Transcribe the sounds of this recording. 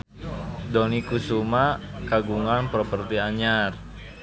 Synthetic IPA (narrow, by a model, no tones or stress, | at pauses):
dɔnikusumakaɡuŋanpɾɔpərt̪iaɲar